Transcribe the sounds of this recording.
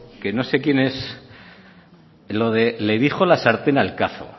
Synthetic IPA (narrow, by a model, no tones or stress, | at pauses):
ke̞no̞se̞kje̞ne̞s | lo̞ðeleðixχo̞lasaɾt̪enalkaθo̰